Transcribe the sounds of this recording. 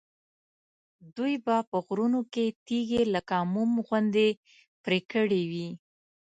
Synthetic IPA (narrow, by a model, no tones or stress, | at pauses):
d̪ujbapəɣɾunoket̪iɡelakamumɣwand̪e | pɾekəɽewi